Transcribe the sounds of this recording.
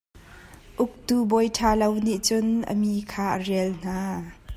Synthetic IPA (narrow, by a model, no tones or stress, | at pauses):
ʔʊk̚tuːbɔjtʰaːlowniʔt͡sʊnʔə̰miːkʰaːʔərɛəln̥aː